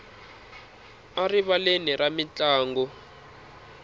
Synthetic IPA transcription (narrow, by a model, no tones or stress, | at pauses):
ariβaleniramit͡ɬaːŋɡɔ